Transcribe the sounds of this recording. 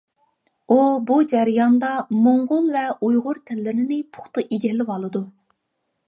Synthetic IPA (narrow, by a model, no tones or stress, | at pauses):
ubud͡ʒɛɾɪjɑnd̪ɑmoɴʁʊlˠvɛʔujʁʊɾt̪ʰɪlːɪɾɪnɪpʰʊ̥χt̪ɨʔiɡʲɛlːɪwɑlˠɨd̪u